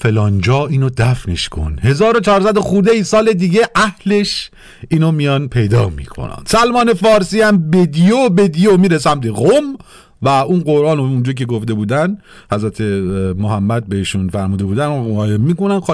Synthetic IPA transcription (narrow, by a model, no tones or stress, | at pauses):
fe̞lɒːnd͡ʒɒːiːnod̪æfneʃkʰo̞̰nhe̞zɒːɾot͡ʃʰɒːɾsæd̪oxuɾd̪ejsɒːle̞d̪iːɟeʔæhle̞ʃ | iːnomijɒnpʰe̞jd̪ɒ̰ːmḭːkʰo̰næ̰n̥sælmɒːne̞fɒːɾsiːæmbed̪ijobed̪ijomiːɾesæmt̪ʰeɣom | væunɢo̞ɾʔɒːnound͡ʒɒːcʰe̞ɡoft̪e̞buːd̪æn | hæzɾæt̪ʰemoɦæmːæd̪̚behiːʃunfæɾmuːd̪e̞buːd̪ænɡɒːjebmiːkonænx